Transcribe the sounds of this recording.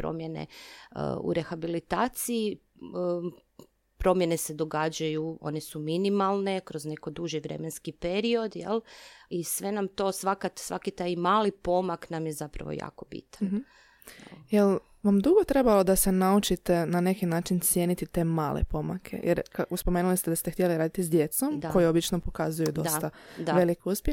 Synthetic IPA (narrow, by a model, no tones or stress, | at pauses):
pɾo̰mjene̞̰ | ṵɾe̞xabilit̪aːt̪sii | pɾo̞mjene̞se̞d̪o̞ɡaːd͡ʑajuo̞̰nesuminimalˠne̞kɾo̞zne̞ko̞d̪uʒiʋɾe̞̰menskipeɾio̞d̪jḛlˠisʋe̞namt̪o̞ːsʋakat̪sʋa̰kit̪aːjmaːlipo̞maknamjezapɾa̰ʋo̰ja̰ːkobḭt̪ḁm̩nɦ̩ | jel | ʋamd̪uɡo̞t̪ɾe̞balo̞d̪ase̞naut͡ʃit̪e̞nane̞kinaːt͡ʃint̪sje̞ːnit̪it̪e̞ːma̰ːlḛpo̞ma̰kʰḛjʔḛɾkauspo̞meːnulist̪ed̪ast̪ext̪jeliɾaːd̪it̪izd̪je̞t̪so̞mako̞jeobit͡ʃnopo̞kazujud̪o̞st̪ad̪aʋe̞likeuspje